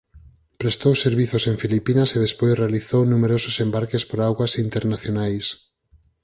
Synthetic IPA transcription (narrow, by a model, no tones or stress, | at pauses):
pɾest̪owseɾβiθoseŋfilipinaseðespojsrealiθownumeɾosʊsembaɾkespoɾaɣwasint̪eɾnaθjonajs